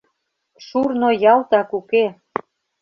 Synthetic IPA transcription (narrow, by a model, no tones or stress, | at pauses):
ʃurnojɑlt̪ɑkuke